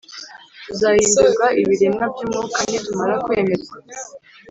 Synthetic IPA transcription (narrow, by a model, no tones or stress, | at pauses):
tuzajiːnduɡaʔiβiɾemabjimŋukanetumaɾakwe̞ːme̞zɡwa